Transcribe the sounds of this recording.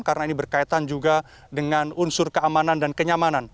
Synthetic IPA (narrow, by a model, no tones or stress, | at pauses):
karənainibərkait̪and͡ʒuɡa | dəŋanunsʊrkəamanandankəɲamanan